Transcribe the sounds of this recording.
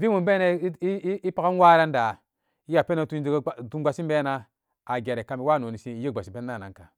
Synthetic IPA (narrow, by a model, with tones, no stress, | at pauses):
vi˦u˨mbe˦na˦i˦i˦pa˦ɡa˦n˦wa˦ɾa˦n˦da˨ | i˦ja˨pe˦na˨tu˦d͡ʒtu˦ɡʷa˨si˦m˦be˦na˦ | a˨ɡe˨ɾe˨ka˨mi˨wa˦˨no˨ni˨si˦ji˦ɡ͡ba˨si˨be˦nː˦a˦˨na̰˨ŋka˨